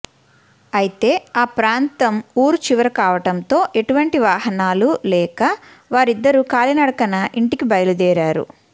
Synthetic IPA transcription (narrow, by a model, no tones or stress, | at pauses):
ɐjit̪e̞ːaːpɾaːnt̪ɐmuːɾt͡ʃiʋɐɾɐkaːʋɐʈɐnt̪o̞ːʔe̞ʈuʋɐɳʈiʋaːɦɐnaːlulɛːkɐ | ʋaːɾid̪ːɐɾukaːlinɐɽɐkɐnɐʔiɳʈikibɐjɐlud̪ɛːɾaːɾṵ